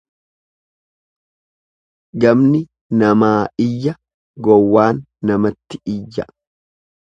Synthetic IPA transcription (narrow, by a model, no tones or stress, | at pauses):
ɡɐmnɪ | nɐmaːɪjːɐ | ɡɔwːaːnːɐmɐt̪ːɪ̥ɪjːɐ